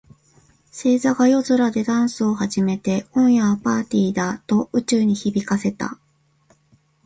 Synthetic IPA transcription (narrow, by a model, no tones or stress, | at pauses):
se̞ːzaɡajo̞zɨɾad̪e̞d̪ãɰ̃sɨo̞haʑime̞t̪e̞õ̞ɰ̃jaːpaːt̪ʲiːd̪at̪o̞ɯ̟t͡ɕɨːɲ̟içibʲikase̞t̪a̰